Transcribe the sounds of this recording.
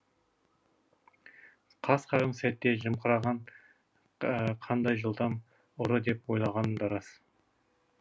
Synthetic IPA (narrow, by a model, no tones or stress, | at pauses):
qʰɑsqʰɑʁənsæt̪ːe̞ʒəmqʰəɾɑʁɑn | qʰɑnd̪ɑjʒəlˠd̪ɑm | ʊɾəd̪e̞pwo̞jlˠɑʁɑnəmd̪ɑɾɑs